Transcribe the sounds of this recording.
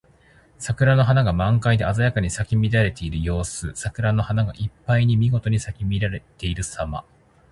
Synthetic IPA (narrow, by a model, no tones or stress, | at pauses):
sakɯ̟ɾano̞ɦanaɡamãŋkaid̪eazajakaɲ̟isakʲimʲiɾaɾe̞t̪e̞iɾɯ̟jo̞ːsɨsakɯ̟ɾano̞hanaɡa̰ʔipːaiɲ̟imʲiɡo̞t̪o̞ɲ̟isakʲimʲiɾaɾet̪e̞iɾɯ̟sama̰